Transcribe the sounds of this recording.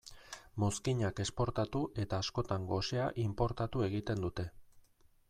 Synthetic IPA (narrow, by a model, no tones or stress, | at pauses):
mo̞skiɲake̞spo̞ɾt̪at̪uʔe̞t̪aːsko̞t̪aŋɡo̞se̞aʔimpo̞ɾt̪at̪ue̞ɣ̞it̪e̞nd̪ut̪e̞